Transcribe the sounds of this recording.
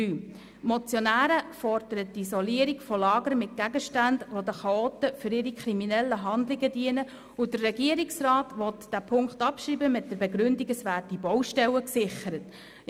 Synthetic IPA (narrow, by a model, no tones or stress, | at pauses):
yː | mɔt͡sjɔnæːɾəfɔrd̥əɾət̚diisɔliəɾikfɔlɑːɡəɾmɪt̚ɡ̥æɡəʃtændʋodəχɑoːtəfʏɾɪɾikχɾiminɛlːəɦɑndlɪɡədiənə | ʊdərrɛɡiəɾiksrɑːtʋɔt̪d̥æpʰʊŋkχtɑpʃɾiːbəmɪt̚d̥əbeɡɾʏndiɡəsʋæːɾd̥ibɔwʃtɛwəksɪχəɾət